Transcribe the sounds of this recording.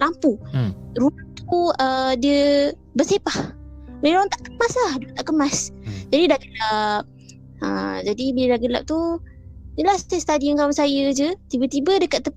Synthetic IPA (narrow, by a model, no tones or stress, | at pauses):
lampuɾuat̪uədiə | bərsepahmɾoaŋt̪aʔkəmaslahdot̪aʔkəmasd͡ʒadidaɡəlap̚ | ə̰d͡ʒadibilədaɡəla̰p̚t̪u | nəlahst̪ɛst̪adiankawansajəd͡ʒət̪ibət̪ibədəkat̪ːəp